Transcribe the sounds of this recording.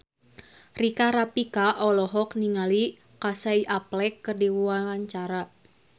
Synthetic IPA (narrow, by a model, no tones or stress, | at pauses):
rikaɾapikaʔɔlɔɦɔkniŋali | kasaiʔaplɛkːɨrdiwuwawaɲt͡ʃaɾa